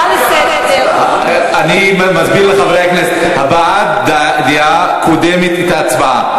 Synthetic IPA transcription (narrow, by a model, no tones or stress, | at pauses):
ani | mazbiʁleχaveʁehakneset | habaatd̪ | d̪ia | kʰod̪emet̪et̪aːt͡sbaa̰